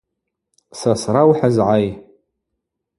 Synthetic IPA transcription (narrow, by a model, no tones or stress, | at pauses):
sasrawħazʕaj